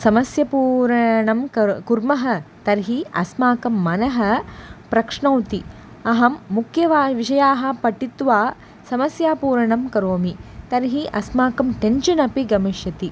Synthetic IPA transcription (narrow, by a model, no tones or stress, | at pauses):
sɐmɐsjɐpuːɾɐɳɐmkɐkuɾmɐɦɐt̪ɐɾɦiɐsmaːkɐmːɐnɐɦɐ̆pɾɐkʂɳɐwt̪i | ɐɦɐmːukʰjɐʋaːʋiʃɐjaːɦɐ̆pɐʈːit̪ʋaː | sɐmɐsjaːpuːɾɐɳɐmkɐɾoːmit̪ɐɾɦiʔɐsmaːkɐmʈenʃɐnɐpiɡɐmiʃjɐt̪i